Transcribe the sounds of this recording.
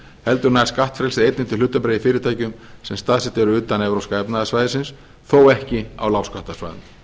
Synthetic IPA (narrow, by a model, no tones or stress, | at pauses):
hɛlt̪ʏɾnaskaht̪fɾɛlsɪejt̪nɪnt̪ɪlʏt̪ːapɾejifɪːɾɪt̪ʰaːjcʏmsɛmst̪aːðsɛht̪ɛɾʏʏːt̪anɛvɾowskaɛpnaðasvajðɪsɪns | θoːwɛhcɪa̰wlawskaht̪asva̰jðʏ̰m